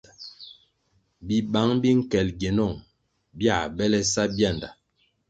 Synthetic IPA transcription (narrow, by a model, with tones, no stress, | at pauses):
bi˦ɓa˨˦ŋbi˦ŋ̩˦kɛ˨lɡɛ˨nɔ˦˨ŋ | bja˦˨bɛ˦lɛ˦sa˦bja˦˨nda̰˨